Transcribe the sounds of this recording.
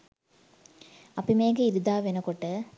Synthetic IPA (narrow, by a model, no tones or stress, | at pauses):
ɐpːimeːŋɡɐɪɾɯd̪aːʋɛnɐkɔʈːɐ